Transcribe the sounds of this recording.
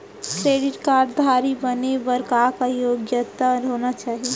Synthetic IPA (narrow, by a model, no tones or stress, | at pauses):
kɾeːɖɪʈkaːɾɖd̪ʱaːɾibənebəɾkakajoːɡjət̪aɾɦoːnat͡ʃaːɦie